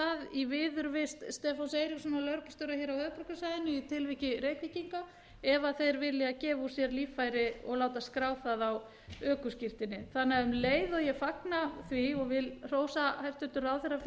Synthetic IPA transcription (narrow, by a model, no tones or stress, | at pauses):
θaðivɪðʏɾvɪst̪st̪ɛːfansejɾisɔnːalœɾkḁst̪œɾahɛːɾawhœːðpɾɔkʏsajðɪnʏit̪ʰɪlvihcɪɾeːkviciŋka | ɛvaθejɾvɪðlɛacɛːvusjɛɾliːfajɾɪɔ̰ɣlaːwt̪askɾaːwθaðaw | œːkʏscɪr̥t̪ɪnːɪθanːaʏmleːjðɔjɛfaknaθviɔɣvɪlr̥oːwsahajft̪ʏt̪ʏɾawθejɾa